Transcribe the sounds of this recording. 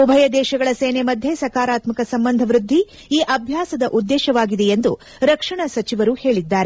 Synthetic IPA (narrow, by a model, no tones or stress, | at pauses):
ubʱɐjɐd̪ɛːʃɐɡɐɭɐseːnemɐd̪ʱjesɐkaːɾaːt̪mɐkɐsɐmbɐnd̪ʱɐʋɾud̪ʱːi | iːʔɐbʱjaːsɐd̪ɐʔud̪ːɛːʃɐʋaːɡid̪ejend̪u | ɾɐkʂɐɳɐsɐt͡ʃiʋɐɾuːhe̞ːɭid̪ːaːɾe